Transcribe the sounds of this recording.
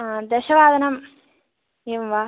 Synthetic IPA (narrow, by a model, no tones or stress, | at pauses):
d̪ɛʃɐʋaːd̪ʱɐnɐm | eːʋʋaː